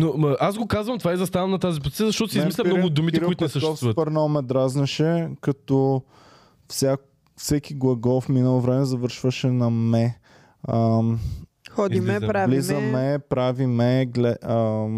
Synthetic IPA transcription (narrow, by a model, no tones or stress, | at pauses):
noɐasɡokazvɐmt̪ovaizɐst̪avənɐt̪azip̬oziiəzɐʃt̪ɔt̪ʊsizmislʲmnɔɾɡʊːd̪umitɛɾkʊit̪ʊnɛsəʃɔsfsvuɐt̪pɐɾnomɛd̪ɾaznɐʃɛkɐt̪ɔ | fsʲak | fsɛkiɡlˠɐɡɔfminəlˠovɾɛmɛzɐvɤɾʃvəʃɛnɐmɛ | ə | xɔd̪imɛɾalizzɐmɛpɾavimɛɡlɛə